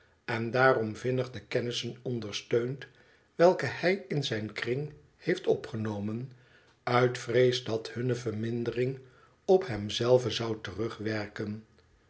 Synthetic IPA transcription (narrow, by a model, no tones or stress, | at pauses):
ɛndaːrɔmvɪnəχdəkɛnɪsənɔndəɹstøɥnt | ʋɛlˠkəhɛjɪnzɛjnkrɪŋ | hejftɔpχənowmən | œɥtfrejzdɑthɵnəvəɹmɪndərɪŋ | ɔpɦɛmzɛlˠvəzɑwtərɵχʋɛɹkən